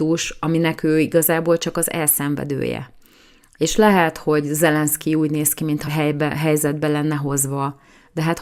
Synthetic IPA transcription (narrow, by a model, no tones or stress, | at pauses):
uʃɒminɛkøːiɡɒzaːboːlt͡ʃɒkɒzɛ̰lsɛɱvɛ̰d̪ø̰ːjɛ̰ | eːʃlɛɦɛt̪ho̞ɟzɛlɛnskiuːɟneːskimint̪hɒɦɛjbɦɛjzɛd̪̚bɛlɛnːɛɦo̞zʋɒ | d̪ɛɦaːt̪